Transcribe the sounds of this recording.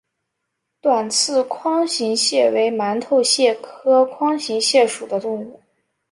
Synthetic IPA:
t̪wa˨˩nt͡sʰɹ̩˥˩kʰwɑ˥ŋɕi˧˥ŋɕjɛ˥˩we˧˥ɪma˧˥nt̪ʰo˥˧ʊɕjɛ˥˩kʰɤ˥kʰwɑ˥ŋɕi˧˥ŋɕjɛ˥˩ʂu˨˩d̪ə˦t̪ʊ˥˧ŋu˥˩

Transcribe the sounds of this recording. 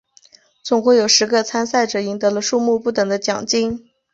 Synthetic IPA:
t͡sʊ˨˩ŋxwe˥˩ɪjo˨˩ʊʂɻ̩˧˥ɡə˧t͡sʰa˥nsa˥˩ɪʈ͡ʂɤ˨˩i˧˥ŋt̪ɤ˧˥lə˧ʂu˥˧mu˥˧pu˥˩t̪ɤ˨˩ŋd̪ə˦t͡ɕjɑ˨˩ŋt͡ɕi˥ŋ

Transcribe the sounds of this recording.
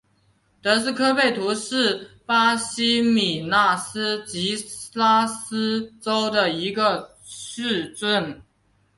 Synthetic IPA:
t̪ɤ˧˥s̬̩˥˧kʰɤ˥pe˥˩ɪt̪ʰu˧˥ʂɻ̩˥˩pa˥ɕi˥mi˨˩na˥˩sɹ̩˥t͡ɕi˧˥la˥s̩˥ʈ͡ʂo˥ʊd̪ə˨i˧˥ɡə˧ | ʂɻ̩˥˧ʈ͡ʂwə˥˩n

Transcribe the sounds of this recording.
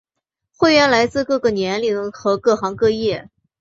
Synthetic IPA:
xwe˥˧ɪɥɛ˥˩nla˧˥ɪt͡sɹ̩˥˧kɤ˥˧ɡə˨˩njɛ˧˥nli˧˥ŋxɤ˧˥kɤ˥˩xɑ˧˥ŋkɤ˥˧jɛ˥˩

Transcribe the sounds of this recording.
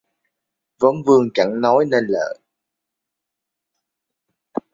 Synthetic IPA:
və˨˦ŋ͡mvɨ˧əŋt͡ɕa˧˩ŋnɔ˨˦jne˧nlə̰ː˧˨

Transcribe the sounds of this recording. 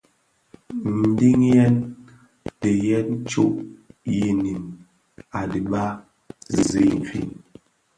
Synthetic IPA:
n̩˨di˦ŋjɛ˦n | de˨jɛ˦n˦t͡ʃu˦ʔji˦˨ni˨n | a˨di˨ɓa˦ | zi˨ɱ˨fḭ˦˨n

